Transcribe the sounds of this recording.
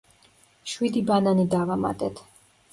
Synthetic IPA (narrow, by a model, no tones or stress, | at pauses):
ʃwid̪ibananid̪avama̰t̪ʼɛt̪ʰ